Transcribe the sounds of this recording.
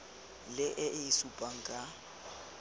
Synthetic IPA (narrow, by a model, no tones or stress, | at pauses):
lɪʔɪʔɪisupʼaŋ̩kʼa